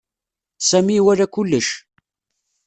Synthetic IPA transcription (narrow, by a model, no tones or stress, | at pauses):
sæmiwæɾækʊlːəʃ